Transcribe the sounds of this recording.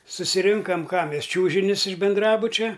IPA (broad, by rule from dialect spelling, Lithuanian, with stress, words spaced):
sʊsʲɪˈrʲɪŋkɐm ˈkɑː ˈmʲɛs ˈt͡ʃʲuːʒʲɪnʲʊs ɪʃ bʲɪnˈdrɑːbʊt͡ʃʲɛ